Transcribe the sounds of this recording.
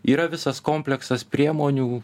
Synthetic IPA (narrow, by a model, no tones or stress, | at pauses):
iːɾɐʋʲɪsɐskoːmʲpʲlʲɛksɐspʲɾʲiɛmoːnʲuː